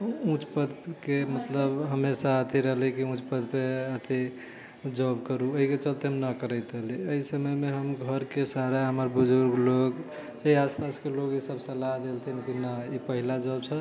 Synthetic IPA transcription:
ũt͡ʃpəd̪kemət̪ləbɦəmesaət̪ʰiɾəɦlikiũt͡ʃpəd̪peət̪ʰi | d͡ʒɔbkəɾuoɦiket͡ʃəlt̪eɦəmnəkəɾəɪt̪əɦliəisəməjmeɦəmɡʱəɾkesaɾaɦəməɾbud͡ʒoɾɡloɡ | t͡ʃəiaspaskeloɡisəbsəlaɦd̪elt̪ʰinkinəipəɦilad͡ʒɔbsʰə̃

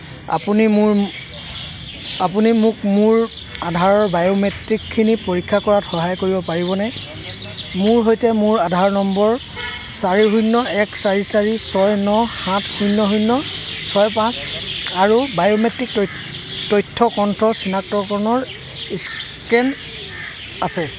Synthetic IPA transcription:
a̰punimɹ | apunimʊkmʊɹ | adʱaɹɔɹbajometɹikʰːinipoɹikʰːakɔɹatxɔɦajkoɹibɔpaɹibɔnɛ | mʊɹɦojtɛmʊɹadʱaɹnɔmbɔɹ | saɹiɦujnːɔɛksaɹisaɹisɔjnɔhãtʰhujnːɔɦujnːɔsɔjpãsaɹubajometɹik̚ | tɔjtʰːɔkɔntʰɹɔsinak̚tɔkɔɹnɔɹ | is | kɛn | asɛ

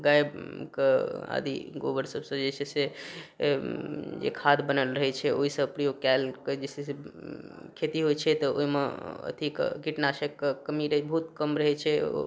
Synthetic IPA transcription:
ɡajbkea̰d̪ḭɡobəɾsəbsə̃d͡ʒet͡ʃʰese | d͡ʒḛkʰad̪bənəlɾəɦɛt͡ʃʰɛoɦisə̃əpɾijokalked͡ʒesese | kʰet̪iɦojt͡ʃʰɛt̪ɔo̰imeə̰t̪ʰikkiʈnasekːəkəmiɾəɦbəɦut̪kəmɾəɦɛt͡ʃʰɛo̰

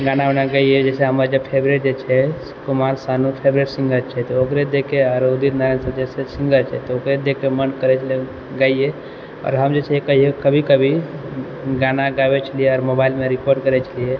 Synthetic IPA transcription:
ɡananaɡəied͡ʒɛseɦəməɾd͡ʒəbpʰebɾeɾd͡ʒet͡ʃʰɛskumaɾsanupʰebɾeɾsĩŋɡət͡ʃʰɛt̪ɔokɾed̪ekeɔɾod̪iɾnaɾensəd͡ʒɛsesĩŋɡəɾt͡ʃʰɛ̰t̪ɔokɾed̪ekemənkəɾɛt͡ʃʰəle | ɡəije | ɔ̰ːɾɦəmd͡ʒet͡ʃʰɛkəɦiekəbʱikəbʱi | ɡanaɡaʋɛt͡ʃʰəlijeɔːɾmobailmeɾikoɾɖkəɾɛt͡ʃʰəlije

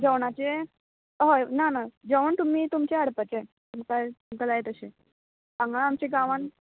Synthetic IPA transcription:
d͡zəʋɳat͡ɕe | ɦonanad͡ʑəʋəɳt̪um̤iːt̪umt͡ɕeəɽpət͡se | t̪umkat̪umkad͡zajet̪əɕe | ãŋɡaamt͡ɕeɡaʋaɳ

